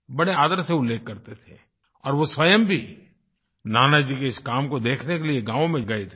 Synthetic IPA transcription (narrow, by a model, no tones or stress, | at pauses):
bɐɽeaːd̪əɾseʊlːeːkːɐɾt̪et̪ʰḛ | ɔːɾʋoswəjəmbʱi | naːnad͡ʒikeɪskaːmkod̪eːkʰnekelieɡãːʋõmẽɡɐet̪ʰe